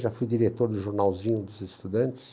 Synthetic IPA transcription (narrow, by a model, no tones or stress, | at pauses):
ʒafujd̪iɾet̪oɾd̪ʊʒoɾnawzĩɲʊd̪ʊzest̪ud̪ɐ̃nt̪ɪ̥s